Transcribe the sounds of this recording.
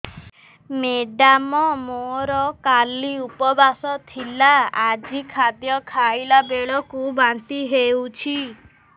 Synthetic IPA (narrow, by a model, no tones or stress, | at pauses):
meɖamɔmoɾɔkaliupɔbasɔt̪ʰilaad͡ʒikʰad̪jɔkʰajlabeɭɔkubant̪iɦewt͡ʃʰi